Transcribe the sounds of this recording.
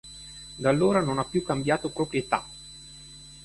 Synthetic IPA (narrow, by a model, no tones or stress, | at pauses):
d̪alːoːɾanonapːjukːambjaːt̪opɾopɾjet̪a̰